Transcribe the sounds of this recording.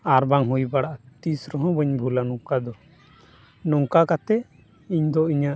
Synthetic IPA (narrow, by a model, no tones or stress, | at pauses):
aɾbaŋɦujbaɽaʔat̪isɾɔɦɔ̃bəɲbʱulanɔŋkad̪ɔ | nɔŋkakat̪ɛ | iɲd̪ɔiɲaʔ